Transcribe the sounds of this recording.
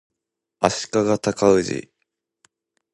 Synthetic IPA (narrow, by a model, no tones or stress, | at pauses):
aɕi̥kaɡat̪akaɯ̟ʑḭ